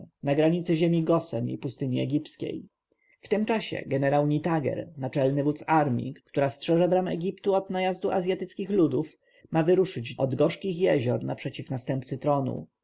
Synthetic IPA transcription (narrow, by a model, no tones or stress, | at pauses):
naɡɾaɲit̪sɘʑemʲiɡɔsɛmḭpust̪ɘɲiɛ̰ɡʲiptskʲḛj | ft̪ɘmt͡ʂaɕɛ̰ɡɛnɛɾawɲit̪aɡɛ̰ɾnat͡ʂɛlnɘvut̪saɾmʲḭkt̪uɾastʂɛʐɛbɾamɛ̰ɡʲipt̪uɔd̪najazd̪uʔa̰zʲjat̪ɘt̪skʲixlud̪uf | mavɘɾuʂɘt͡ɕɔd̪ɡɔʂkʲixjɛʑɔɾnapʂɛt͡ɕifnast̪ɛmpt̪sɘt̪ɾɔnṵ